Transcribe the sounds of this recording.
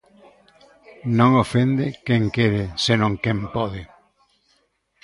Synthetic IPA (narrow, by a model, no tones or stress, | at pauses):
nõŋofend̪ɪkeŋkeɾesenõŋkẽmpɔðɪ